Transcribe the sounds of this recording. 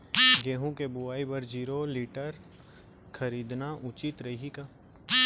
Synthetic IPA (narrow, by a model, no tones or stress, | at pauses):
ɡeːɦũkebʊaːibɐɾd͡ʒiːɾoliːʈəɾ | kʰɐɾiːd̪naʔʊt͡ʃɪt̪ɾɐɦikaː